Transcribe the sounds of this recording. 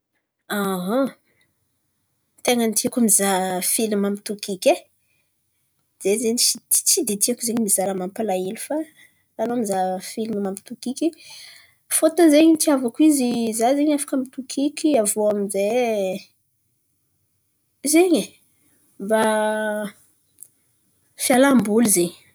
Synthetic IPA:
aɦa | t̪eŋənt̪iakamizafilimamit̪ukikʲe | z̥ezeɲit͡si̥t͡sid̪it̪iakuzeɲmizaɾəmampalailufa | ɾanomizafilimimampi̥t̪ukikʲi | fot̪əzeɲit̪iavakuizizazeɲafḁkəmit̪ukʰikʲiavoamize | zeɲi | mba | fjalambulizeɲ

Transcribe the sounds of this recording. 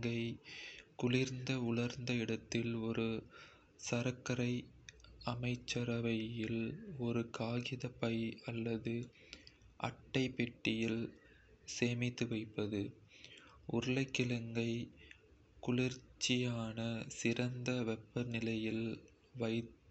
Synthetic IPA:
ɡɐɪkʊlɪɾnd̪ɐʊɭɐɾnd̪ɐɪɽɐt̪ːɪlɔɾɯ | sɐɾɐkːɐɾɐɪ | ɐmɐɪt͡ʃːɐɾɐʋɐɪlɔɾɯkaːɣɪðɐpɐɪɐlːɐðɯ | ʔɐ̰ʈːɐɪpːɛʈːɪjɪl | seːmɪt̪ːɯʋɐɪpːɐðɯ | ʔʊɾɐlɐɪkːɪlɐŋɡɐɪ | kʊɭɪɾt͡ʃːɪjaːnɐsɪɾɐnd̪ɐʋɛpːɐnɪlɐjɪl | ʋɐɪ

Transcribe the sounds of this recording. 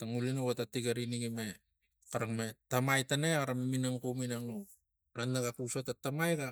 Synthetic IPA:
taŋulinowatatiɡaɾiniɡime | kaɾakmetamajtaneaɾameminaŋkominaŋo | ɾanːaɡakusotatamajɡa

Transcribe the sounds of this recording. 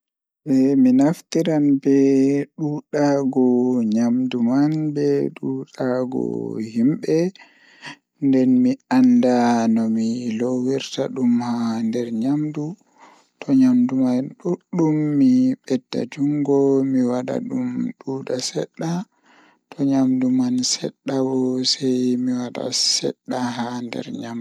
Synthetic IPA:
bɛminaft̪iɾanbɛɗuːɗaɡɔɲamdumanbɛɗuːɗaɡɔ̰himɓɛ | ndɛnmiandanɔmilowiɾtaɗumhandɛɾɲamdu | tʰɔɲamdumaɗuɗumːiɓɛdːa̰d͡ʒuŋɡɔmiwaɗa̰ɗumɗuːɗasɛ̰ɗːa | tʰɔɲamdumansɛ̰ɗːawɔsɛjmiwaɗa̰sɛ̰ɗːaɦandɛ̰ɾɲamdu

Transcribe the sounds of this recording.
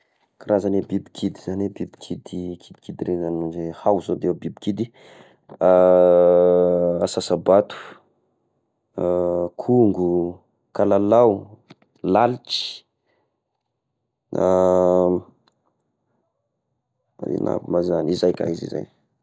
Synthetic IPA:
kaɾazanebibikʰid̪iz̥anebibikʰid̪ikʰid̪̥i̥kid̪iɾezanunzehawzod̪eewbibikid̪i | a | asasabat̪u̥ | kʰuŋɡu | kalalaw | lalit͡ʃi̥ | na | ḭnʔa̰bimazanizajka̰izḭza̰j

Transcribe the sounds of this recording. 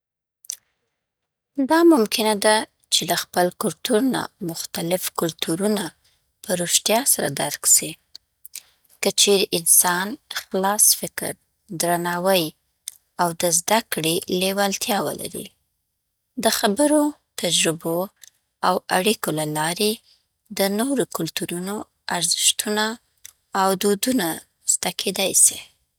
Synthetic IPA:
d̪ɑmʊmkɪnad̪a | t͡ʃelaxpəlkʊlt̪uɾna̰mʊxt̪alɪfkʊlt̪ʰuɾuna | pəɾoʃt̪jɑsaɾa̰d̪aɾksi | kət͡ʃeɾeʔɪnsɑnxlɑsfɪkə̰ɾ | d̪ɾanɑwəj | awd̪əzd̪akɽelewalt̪jɑwə̰la̰ɾḭ | d̪əxabəɾo | t̪ad͡ʒɾɪbo | awaɽikolalɑɾe | d̪ənoɾokʊlt̪uɾuno | aɾzɪ̥ʃt̪unaː | wd̪od̪una | z̥t̪akʰed̪ɑjsi

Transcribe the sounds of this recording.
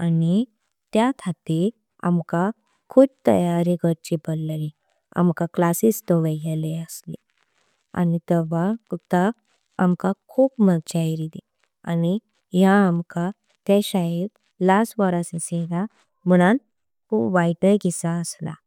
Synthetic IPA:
ani | t̪jat̪ʰat̪e | a̰mka | kʰuːb̚t̪ə̰jaɾiɡʱəɾt͡ɕipəlːəɾi | a̰mkaklasist̪əʋəɡɛleəsli | a̰nit̪əʋaəɡ̚t̪a̰ː | mkakʰuːpmət͡ɕaiɾid̪e | ani | ɦjaːmka | t̪jaɕaɦiɾ | lasʈʋəɾaseseɡa | m̤əɽ̃an | kupʋajʈəjkisaəsla̰

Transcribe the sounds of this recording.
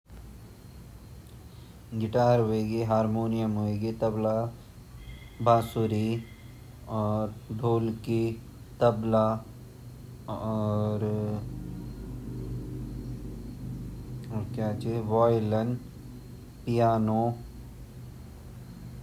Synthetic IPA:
ɡɪʈaːɾɦoeːɡeɦaːɾmoːnijəmɦoːeːɡet̪ɐbla | bʱaːsuɾi | ɔːɾɖʱoːlki | t̪ɐbla | ɾ | ɔːɾkjaːt͡ʃeʋɔːjlən | pijaːno

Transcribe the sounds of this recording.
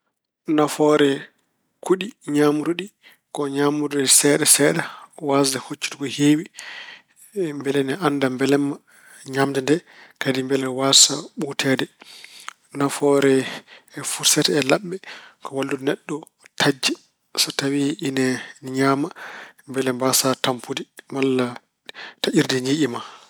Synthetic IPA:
nafɔɾɛ | kʰuɗiɲamuɾuɗi | kɔɲamuɾudisɛɗasɛɗawasdahot͡ʃːi̥tukɔheːwi | mbɛlɛnɛʔandambɛlɛma | ɲamd͡ʒɛndɛkadimbɛlɛwasaɓutʰɛdɛ | nafɔɾɛɛfuɾsɛtɛɛlaɓːɛkʰɔwalːudnɛɗːɔ | tʰad͡ʒːɛ | satawiinɛɲaːmambɛlɛmbasatampʰudimalːa | taʔiɾdɛɲiɗima

